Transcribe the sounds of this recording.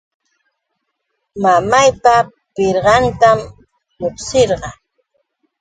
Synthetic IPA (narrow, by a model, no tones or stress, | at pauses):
mamajpa | pɪɾɢɑnt̪am | moχseɾɢɑ